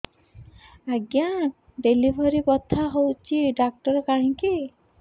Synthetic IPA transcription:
aɡja | ɖelibʱɔɾipɔt̪ʰːaɦowt͡ʃʰiɖak̚ʈɔɾɔkaɦĩki

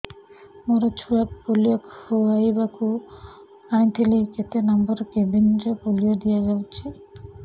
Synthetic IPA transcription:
moɾat͡ʃʰuwapolijakoajbakʰu | ajt̪ʰeliket̪enɔmbɔɾkebind͡ʒapolijad̪ijaɡawt͡ʃʰi

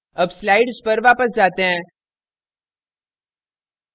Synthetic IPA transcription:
ɐbslaːɪɖzpɐɾʋaːpəsd͡ʒaːt̪eɦɛ̃ː

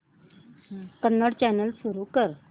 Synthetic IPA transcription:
kənːəɽt͡ɕɛnəlsuɾuːkəɾ

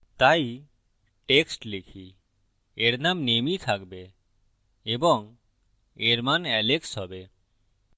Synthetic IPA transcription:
t̪ai | ʈeksʈlekʰi | eɾnamnemit̪ʰakbe | ebɔŋ | eɾmanɛleksɦɔbe

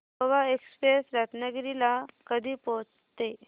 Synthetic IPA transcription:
ʋaekspɾesɾat̪naɡɾilakəd̪ʱiːpot͡s | t̪e

